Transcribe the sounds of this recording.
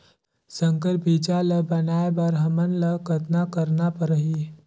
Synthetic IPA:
sə̃ŋkəɾbʱit͡ʃaləbənaebəɾɦəmənləkət̪nakəɾnapəɾəɦi

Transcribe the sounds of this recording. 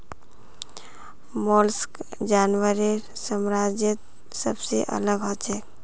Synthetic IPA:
mɔlskd͡ʒanʋəɾeɾ | səmɾad͡ʒjət̪̚ | səbsḛʔə̰ləɡɦɔt͡ʃʰek

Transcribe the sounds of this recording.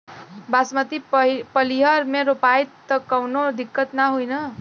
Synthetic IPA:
basmət̪ipəliɦʌɾmeɾopajt̪ːʌkʌwnod̪ikːət̪naɦujnʌ

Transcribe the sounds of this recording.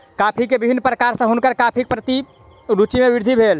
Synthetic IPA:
kapʰikebibʱinːpɾəkaɾsə̃ɦunkəɾkapʰik̚pɾət̪i | ɾut͡ʃimeʋiɾd̪ʱibʱel

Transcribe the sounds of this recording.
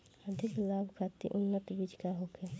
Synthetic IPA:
əd̪ʱɪklaːbʱkʰat̪ḭʔʊnːət̪bid͡ʒkaɦokʰe

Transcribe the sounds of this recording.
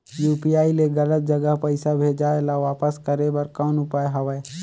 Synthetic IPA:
juːpijaːileɡələt̪̚d͡ʒəɡəɦpəɪsabʱeːd͡ʒaːelaʋaːpəskəɾebəɾkɔːnʊpaːeɦɐʋɛː

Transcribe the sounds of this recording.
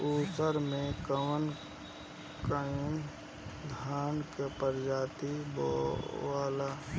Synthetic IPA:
uːsəɾmẽkəʋən | kaĩ | d̪ʱaːnkepəɾd͡ʒaːt̪ibɔ̰ʋaːla

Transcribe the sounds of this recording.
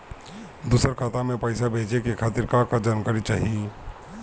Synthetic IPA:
d̪uːsəɾkʰaːt̪amẽpəɪsabʱeːd͡ʒekekʰaːt̪ɪɾkakad͡ʒankəɾit͡ʃaːɦie

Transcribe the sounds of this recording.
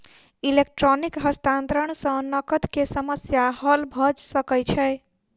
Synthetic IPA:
ilek̚ʈɾonikɦəst̪ãnt̪ɾəɳ̃sə̃nəkət̪kesəməsjahəlbʱəd͡ʒsəkəjt͡ʃʰɛe

